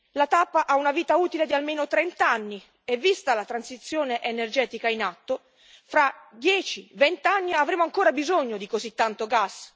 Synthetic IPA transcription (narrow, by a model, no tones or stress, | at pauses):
lat̪apːaʔaunaviːt̪auːt̪iled̪ialmeːnot̪ɾɛnt̪aanːi | evːist̪alat̪ɾansit̪sːjoːneʔenerd͡ʒɛːt̪ikainat̪ːo | fɾad̪jɛːt͡ʃivɛnt̪anːiavɾeːmoaŋkoːɾabizoɲːod̪ikozit̪ːant̪oɡas